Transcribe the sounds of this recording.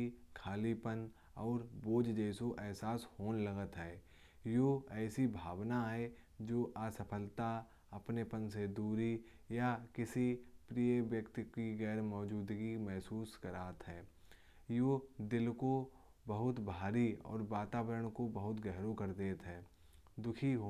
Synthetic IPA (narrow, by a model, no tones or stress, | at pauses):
ikʰaːlipən | ɔːɾboːd͡ʒd͡ʒɛːsoʔɛːsaːshoːnləɡət̪ɦɛː | joːɛːsibʱaːʋnaɦɛ | d͡ʒoːʔaːsəɐpʰəlt̪a | ɐpnepənsed̪uːɾi | jakɪsipɾiːəʋjəkt̪ɪkiɡɛːɾmɔːd͡ʒuːd̪ɡimɛɦsuːskəɾaːt̪ɦɛː | joːd̪ɪlko | bəɦʊt̪bʱaːɾiɔ̰ːɾʋaːt̪aːʋəɾəɽ̃kobəɦʊt̪ɡɛɦɾokəɾd̪eːt̪ɦɛː | d̪ʊkʰiɦo